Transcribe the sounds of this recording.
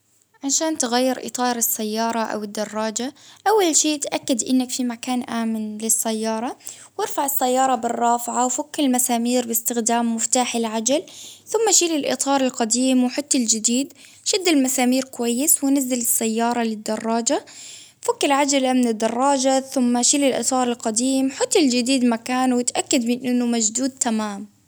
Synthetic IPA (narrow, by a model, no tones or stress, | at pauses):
ʕaʃaːnt̪ɪɣajːɪɾʔɪ̰t̪ˤɑːɾˤɪsːajːɑːɾˤɑʔa̰wɪd̪ːɑrˤːɑːd͡ʒaʔawːalʃeːt̪ʔakːad̪ʔɪnːɪkfimakaːnʔaːmɪnlɪsːajːɑːɾˤɑ | wɪɾfaʕɪsːajːɑːɾˤɑbɪrˤːɑːfʕawfʊkːɪlmasaːmiːɾbɪst̪ɪxd̪aːmːʊft̪aːħɪlʕad͡ʒalθʊmːaʃiːlɪlʔɪ̰t̪ˤɑːɾˤɪlqɑd̪iːmwħʊt̪ːɪld͡ʒɪd̪iːd̪ | ʃɪd̪ːɪlmasaːmiːɾkʊwajːɪswɪnazːalɪsːajːɑːɾˤɑlɪd̪ːɑrˤːɑːd͡ʒa | fʊkːɪlʕad͡ʒalamɪnɪd̪ːɑrˤːɑːd͡ʒaθʊmːaʃiːlɪlʔɨ̰t̪ˤɑːɾˤɪlqɑd̪iːmħʊt̪ːɪld͡ʒɪd̪iːd̪makaːnwɪt̪ʔakːad̪mɪnʔɪnːʊmad͡ʒd̪uːd̪̚t̪ʰamaːm